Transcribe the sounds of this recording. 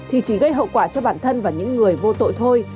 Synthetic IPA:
t̪ʰi˨˩t͡ɕi˧˩ɣə˧jɦə̰˧˨wkwaː˧˩t͡ɕɔ˧ɓaː˧˩nt̪ʰə˧nvaː˨˩ɲɨ̰˧˥ŋːɨ˨˩əjvo˧t̪o̰˧˨jt̪ʰo˧j

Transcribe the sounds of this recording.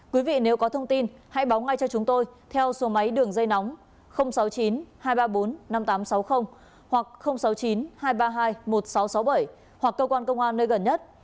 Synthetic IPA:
kwi˨˦vḭ˧˨ne˨˦wkɔ˨˦t̪ʰə˧wŋ͡mt̪i˧nha̰˧˥jɓa˨˦wŋa˧jt͡ɕɔ˧t͡ɕʊ˨˦ŋ͡mt̪o˧jt̪ʰɛ˧wso˨˦ma˨˦jɗɨ˨˩əŋzə˧jnɔ˨˦wŋ͡m | xə˧wŋ͡msa˨˦wt͡ɕi˨˦nhaː˧jɓaː˧ɓo˨˦nːa˧mt̪aː˨˦msa˨˦wxə˧wŋ͡m | hwa˨˩k̚xə˧wŋ͡msa˨˦wt͡ɕi˨˦nhaː˧jɓaː˧ɦaː˧jmo˨˩t̚sa˨˦wsa˨˦wɓə˧˩j | hwa˨˩kːəː˧kwaː˧nkə˧wŋ͡mʔaː˧nːəː˧jɣə˨˩nɲə˦˥t̚

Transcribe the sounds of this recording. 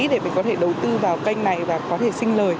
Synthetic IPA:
ɗe˧˩mï̟˨˩kɔ˨˦t̪ʰe˧˩ɗə˨˩wt̪ɨ˧vaː˨˩wka˧jŋ̟na˨˩jvaː˨˩kɔ˨˦t̪ʰe˧˩sï˧ŋ̟ləː˨˩j

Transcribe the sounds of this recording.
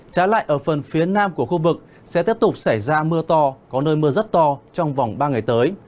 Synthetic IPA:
t͡ɕaː˨˦la̰ː˧˨jʔəː˧˩fə˨˩nfi˨˦ənaː˧mku˧˩əxu˧vɨ˨˩k̚ | sɛ̰˧˥t̪i˦˥əp̚t̪ʊ˨˩k͡p̚sa˧˩jzaː˧mɨ˧ət̪ɔ˧kɔ˨˦nəː˧jmɨ˧əzə˦˥t̚t̪ɔ˧t͡ɕɔ˧wŋ͡mva˨˩wŋ͡mɓaː˧ŋa˨˩jt̪əː˨˦j

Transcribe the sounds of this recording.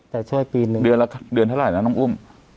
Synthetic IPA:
t̪ɛː˨˩t͡ɕʰu˥˩əjpiː˧nɯ˨˧dɯ˧ənla˧kʰdɯ˧nʰa˥wlaː˩˦na˧˥˩nɔː˧˥˩ʔu˥˩m

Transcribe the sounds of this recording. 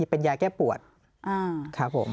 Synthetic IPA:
i˧˩pe˧njaː˧kɛː˥˩pu˨˩ət̪̚ | ʔaː˧˩kʰa˦˥pʰːo̰˩˦m

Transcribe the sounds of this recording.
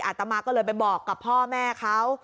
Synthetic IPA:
ʔaː˨˩t̪ːa˧maː˧kːɔː˥˩lɤː˧jpa˧jbɔː˨˩kːa˨˩pʰɔː˥˩mɛː˥˩kʰa˦˥w

